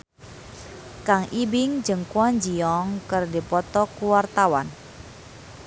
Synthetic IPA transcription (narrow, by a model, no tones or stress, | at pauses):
kaŋʔibɪŋd͡ʒəŋkwɔɲd͡ʒiɔŋkərdipɔt̪ɔkuwart̪awa̰n